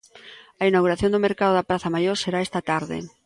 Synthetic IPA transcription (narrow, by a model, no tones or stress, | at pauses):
ɐinawɣuɾaθjond̪ʊmeɾkaðʊðɐpɾaθɐmajoɾseɾaest̪ɐt̪aɾðɪ̰